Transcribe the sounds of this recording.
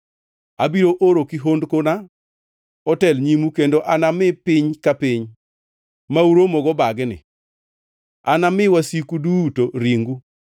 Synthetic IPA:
abiɾoʔoɾokiɦondkona | ɔtɛlɲimukendoʔanamɪpɪɲkapɪɲ | mauɾomɔɡɔbaɡnɪ̰ | anamɪwasikudutoɾiŋɡu

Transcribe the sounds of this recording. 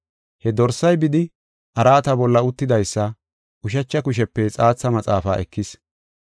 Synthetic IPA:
hɛd̪ɔɾsɐjbɪd̪ɪ | ʔɐɾaːt̪ɐbɔlːɐʊt̪ːɪd̪ɐjsːɐ | ʔʊʃ̬ɐt͡ʃːɐkʊʃ̬ɛpːɛt͡sʼaːt͡sːɐmɐt͡sʼaːfaːʔɛ̰kʰːɪs

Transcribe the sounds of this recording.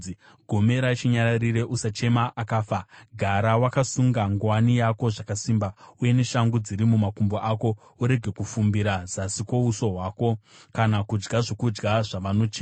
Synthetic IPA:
i | ɡʱome̞ɾat͡ʃiɲaɾarire̞ʔusat͡ʃe̞maʔakaːfaɡʱaɾawakasuŋɡaŋɡwanijako̞ʐakasimbauje̞ne̞ʃaŋɡud͡ziɾimumakumboʔako̞ | uɾe̞ɡʱe̞kufumbiɾazasiko̞uso̞ɦwaːko̞kanakud͡ʒɡaʐo̞kud͡ʒɡaʐaʋano̞t͡ʃeːa

